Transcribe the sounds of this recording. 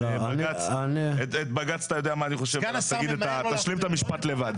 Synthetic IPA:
ebaɡat͡sanet̪et̪̚baɡat͡sḁt̪ajo̞d̪eamaːniχo̞ʃevt̪aɡid̪et̪at̪aʃlimt̪amiʃpat̪le̞vad̪

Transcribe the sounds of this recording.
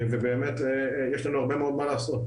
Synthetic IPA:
vebeːmet̪e | jeʃlanuaʁbemeo̞d̪maleːsot̪

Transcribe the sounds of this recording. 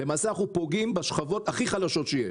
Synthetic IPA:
bemaseaχupo̞ɡimbeʃχavo̞t̪aχiχalaʃo̞t̪ʃejeʃ

